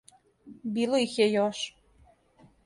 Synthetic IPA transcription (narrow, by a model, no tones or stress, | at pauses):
bilˠoixjɛjoʃ